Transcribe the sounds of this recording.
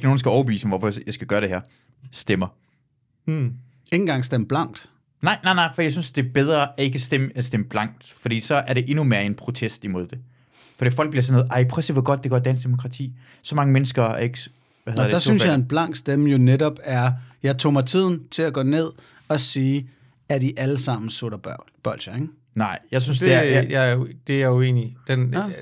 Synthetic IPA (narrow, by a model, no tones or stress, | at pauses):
ɡ̥no̝ːnsɡ̥æɒʊɐb̥eʋḭːsəʋɒfɒjɑ̈ɪsɡ̥æɡ̥ɶːɐɾ̥e̝hæɐ̰ | sd̥emɐ | e̝ŋn̩ɡ̥ɑ̈ŋ̰sd̥eməb̥lɑ̈ŋ̰d̥ | nɑ̈ɪ̰nɑ̈ɪnɑ̈ɪ̰fd̥ijasynsd̥e̝ɐb̥eð̞ˠʁɐæe̝ɡ̥əsd̥eməensd̥eməb̥lɑ̈ŋ̰d̥fɒ̽d̥ḭːsɒ̽æɐɾ̥e̝ʔe̝nume̝ːɐe̝npʰʁo̝t͡sʰesd̥imo̝ð̞̰ˠd̥e̝ | fɒ̽d̥ḭfɒ̽l̰ɡ̚b̥liɐsɒnoð̩ˠʔɑ̈ɪpʰʁɛsiʋeɡɒ̽d̥̚d̥eɡ̥ɒɐdænsd̥emo̝kʰʁɑ̈t͡sʰḭː | sɒ̽mɑ̈ŋəmenəsɡ̥ɐæɐeɡ̥ə | ʋæheðˠɐdd̥ɑ̈ssynsjɑ̈enb̥lɑ̈ŋ̰d̥sd̥eməjo̝neɾɒ̽b̥æɐjɑ̈ɪt͡sʰo̰ːmɑ̈ɪt͡sʰið̰ˠn̩t͡sʰe̝læɡ̥ɔ̰ːne̝ð̞̰ˠ | ɒ̽siː | æɐd̥iʔæləsɑ̈m̰n̩soɾ̥ɐbb̥ɒlɕɐeŋ | nɑ̈ɪ̰jɑ̈ɪs̬ynsd̥e̝ɐjd̥e̝jɑuḛːnid̥en